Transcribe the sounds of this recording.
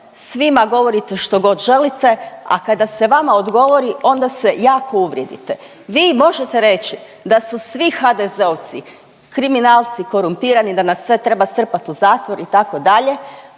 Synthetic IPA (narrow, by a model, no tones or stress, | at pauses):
sʋimaɡo̞ʋo̞ɾit̪e̞ʃt̪o̞ɡo̞d̪ʒe̞lit̪e̞a̰kad̪ase̞ʋamao̞d̪ɡo̞ʋo̞ɾio̞nd̪ase̞jaːkʰo̞uʋɾjed̪ḭt̪e̞ | ʋiːmo̞ʒe̞t̪eɾe̞t͡ʃi | d̪asusʋixad̪ezeoʋt̪si | kɾiminaːlˠt̪siko̞ɾumpiːɾanid̪anasːʋe̞t̪ɾe̞bast̪r̩pat̪uzaːt̪ʋo̞ɾit̪ako̞d̪aʎe̞